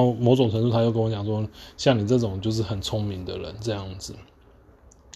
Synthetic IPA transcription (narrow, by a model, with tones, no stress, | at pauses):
mo˧˥ʊʈ͡ʂʊ˨˩ŋʈ͡ʂʰə˧˥ŋt̪u˥˩a˥jʊkə˥wɔ˧˦t͡ɕjɑ˨˩ŋʂwɔ˥ɕjɑ˥˩ŋni˨˩t͡sɤ˥˩ʈ͡ʂʊ˨˩˦ŋt͡ɕjo˥˧ʊʂ̬ɻ̩˥˩xə˨˩nt͡sʰʊ˥ŋmi˧˥ŋd̪ə̰˨ɻə̰˧˦nʈ͡ʂɤ˥˧jɑ˥˩ŋd͡z̩˨˩